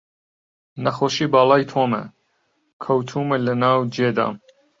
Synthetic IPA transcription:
nɐxoːʃiːbɑːlˠɑːjt̪ʰoːmɐ̰ | kʰɐwt̪ʰuːmɐlɐnaːwd͡ʒeːd̪a̰ː

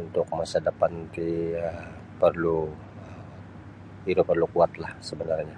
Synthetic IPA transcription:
unt̪ʊk̚masadəpant̪iə | pərlu | ə | iɾupərlukuat̪lahsəbənarɲa

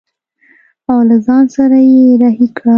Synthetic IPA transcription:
awlazɑnsaɾajeɾahikɽa

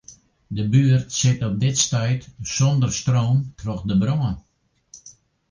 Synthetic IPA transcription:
dəbyərtsɪtɔp̚dɪtstɛjtsɔndərstroːntʰrɔxdəbroŋə

